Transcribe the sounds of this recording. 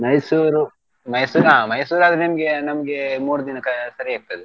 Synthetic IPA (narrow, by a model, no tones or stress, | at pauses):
mɐjsuːɾu | mɐjsuːɾɦaːmɐjsuːɾaːd̪ɐɾenɐmɐɡenɐmɐɡemuːɽud̪inɐkɐsɐɾiaːk̚t̪ɐd̪e